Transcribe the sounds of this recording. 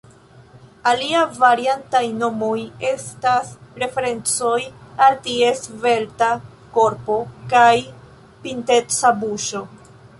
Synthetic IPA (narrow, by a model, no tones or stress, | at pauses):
aliavaɾiantajno̞mo̞je̞staspɾe̞fe̞ɾe̞nt͡so̞jaltie̞sve̞lta | ko̞ɾpo̞kaj | pinte̞t͡sabuʃo̞